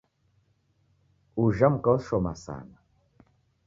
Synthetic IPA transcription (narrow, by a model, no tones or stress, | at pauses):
uʒam̩kɔʃɔma̰sa̰na